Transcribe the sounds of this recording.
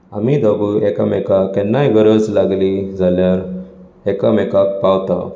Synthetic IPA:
amid̪əbuekəmɛkakːɛnːajɡəɾəd͡zlaɡlid͡zʱaljaɾ | ekəmɛkakpawt̪a̰

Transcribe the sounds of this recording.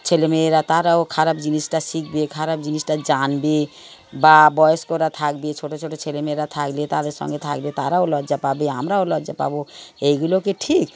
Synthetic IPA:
t͡ʃʰelemeːɾat̪aɾaokʰaɾabd͡ʒinisʈasikʰbekʰaɾab̚d͡ʒinisʈad͡ʒanbebabɔeskoɾat̪ʰakbet͡ʃʰoʈot͡ʃʰoʈʰot͡ʃʰelemeɾat̪ʰaklet̪ad̪esɔ̰ŋɡet̪ʰa̰kbet̪aɾaolɔd͡ʒapabeɦəmɾaolɔd͡ʒapa̰boeiɡulokeʈʰik

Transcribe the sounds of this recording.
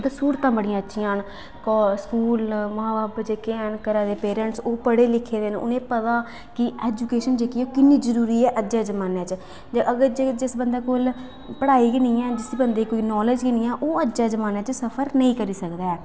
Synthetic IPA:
d̪əsuːɾt̪ãːbəɽijãːətːʃʰĩãːɦən | kɔskuːlmaːbaːbd͡ʒekeːənkəɾaːd̪eːpeːɾɛ̃ɳʈsoːpəɽeːlɪkʰːeːd̪eːnʊ̰nẽːpət̪aː | kɪɛːd͡ʒuːkeːʃənd͡ʒeːkioːkɪnːiːd͡ʒəɾuːɾiːɛːʔəd͡ʒd͡ʒaːd͡ʒəmaːneːt͡ʃ | d͡ʒəʔəɡəɾd͡ʒed͡ʒɪsbənd̪aːkoːl | pəɽaːiːkɪniːɛ̃ːd͡ʒɪsbənd̪eːkoːiːnɔːləd͡ʒkɪniːãːʔoːəd͡ʒd͡ʒaːd͡ʒəmaːnɛːt͡ʃsəpʰəɾnəĩːkəɾiːsəkd̪aːɛː

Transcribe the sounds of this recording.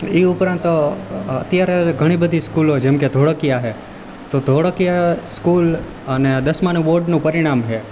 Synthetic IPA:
iʊpɾãnt̪ə̰t̪jaɾeɡʱəɽ̃ibəd̪ʱiskulod͡ʒɛmked̪ʱoɽəkijaɦe | t̪od̪ʱoɽkijaskul | əned̪əsmanʋoɾɖnũpəɾiɽ̃amɦe

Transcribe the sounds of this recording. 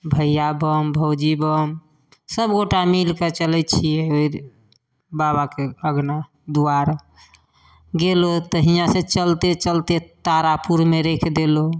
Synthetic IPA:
bʱəjjabəmbʱəwd͡ʒibəm | səbɡoʈamilkət͡ʃəlɛt̪t͡ʃʰiɛoi | baβakeəɡna | d̪uaɾ | ɡelot̪əɦijãset͡ʃəlt̪et͡ʃəlt̪et̪aɾapuɾmeɾekʰd̪elo

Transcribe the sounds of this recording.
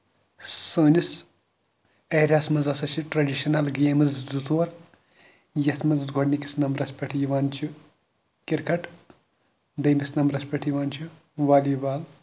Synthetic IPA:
səːnis | ɐjɾʲaːsmɐzɐsɐsʰiʈɾɐɖiʃɐnɐlɡeːmɨzzuzoːɾ | jɐt̪ʰmɐzɡʱoɽniki̥snɐmɾɐspʲɐʈʰjiʋaːnt͡ʃʰu | kiɾkʰɐʈ | d̪ɐjmisnɐmɾɐspʲɐʈʰjiʋaːnt͡ʃʰu | ʋaːlibaːl

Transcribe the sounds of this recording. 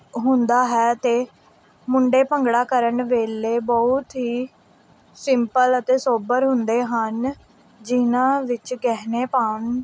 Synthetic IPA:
ɦʊnd̪aːɦɛːt̪eː | mʊɳɖeːpəŋɡɽaːkəɾəɳʋeːleːbɔʊt̪ɦiː | sɪmpələt̪eːsoːbəɾɦʊnd̪eːɦən | d͡ʒɪnãːʋɪt͡ʃɡɛːɦneːpaːɳ

